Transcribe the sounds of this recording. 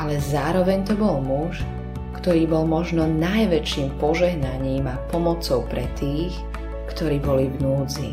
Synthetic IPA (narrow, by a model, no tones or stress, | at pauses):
alɛzaːɾɔʋɛɲt̪ɔbɔlmuʃ | kt̪ɔɾiːbɔlmɔʒnɔnajʋɛt͡ʃiːmpɔʒɛɦnaɲiːmapɔmɔt͡sɔʊpɾɛt̪iːx | kt̪ɔɾiːbɔlivnuːd͡zḭ